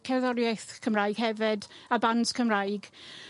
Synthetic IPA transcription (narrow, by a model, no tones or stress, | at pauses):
kʰɛðɔɾjajθkʰəmrajɡ̥hɛvɪdabanskʰəmrajɡ̥